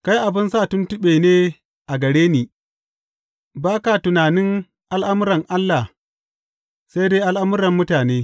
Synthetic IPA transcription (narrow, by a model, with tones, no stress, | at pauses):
ka˦jʔa˨bɪ˦nsa˦˨tʊ˦ntɪ˦ɓeː˨neː˦ | ʔa˨ɡɐ˨ɽeː˦niː˨ | baː˦ka˨tʊ˨naː˨nɪ˦ŋ | ʔa˦lʔa˦mʊ˦ɾɐ˨ŋʔa˦lːa˨h | sa˦jdeː˦ʔa˦lʔa˦mʊ˦ɾɐ˨mːʊ˦taː˨neː˦